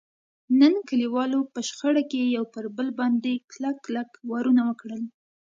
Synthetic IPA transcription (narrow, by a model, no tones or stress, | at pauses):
nənkəliwɑlopəʃxaɽakejawpəɾbəlbɑnd̪eklakːlakwɑɾunawəkɽəl